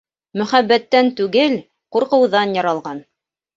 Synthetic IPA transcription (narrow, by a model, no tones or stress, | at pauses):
mɵ̆χæbːæt̪ːænt̪ʉɡɘl | quɾqɤ̆wðɑnjɑɾɑlˠʁɑn